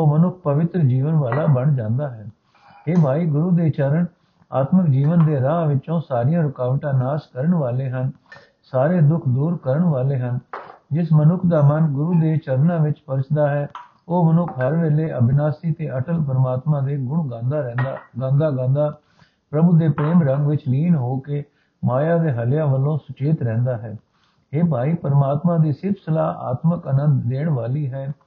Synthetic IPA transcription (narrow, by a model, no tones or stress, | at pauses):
oːmənʊkʰpəʋɪt̪ɾəd͡ʒiːʋənʋaːlaːbəɳd͡ʒãːnd̪aːɦɛː | ɦeːbʱaːiːɡʊɾuːd̪eːt͡ʃəɾəɳ | a̰ːt̪məkd͡ʒiːʋənd̪eːɾaːʋɪt͡ʃõːsaːɾɪjãːɾʊkaːʋʈãːnaːskəɾəɳʋaːleːɦən | saːɾeːd̪ʊkʰd̪uːɾkəɾəɳʋaːleːɦənd͡ʒɪsmənʊkʰd̪aːmənɡʊɾuːd̪eːt͡ʃəɾnãːʋɪt͡ʃpəɾt͡ʃd̪aːɦɛː | oːmənʊkʰɦəɾʋeːleːʔəbɪnaːsiːt̪eːəʈəlpəɾmaːt̪mãːd̪eːɡʊɳd̪aɡãːnd̪aːɡãːnd̪aː | pɾəbuːd̪eːpɾeːmɾəŋɡʋɪt͡ʃliːnɦoːkeː | maːjaːd̪eːɦəljãːʋəlːõːsʊt͡ʃeːt̪ɾɛ̃ːnd̪aːɦɛː | ɦeːpaːiːpəɾmaːt̪mãːd̪iːsɪbsəlaːa̰ːt̪məkənə̃nd̪ːeːɳʋaːliːɦɛː